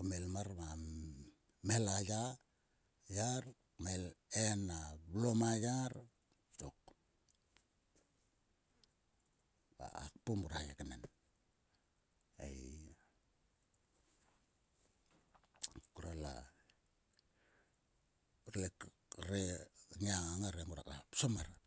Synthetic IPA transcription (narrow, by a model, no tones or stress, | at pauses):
umelmaɾma | melaja | jaɾ | melenablomajaɾ | tok̚ | ba̰a̰kpumuɾajekenen | ḛj | kuɾala̰ | ɾek | ɾeɲiaŋaŋaɾemuɾa̰kasomaɾ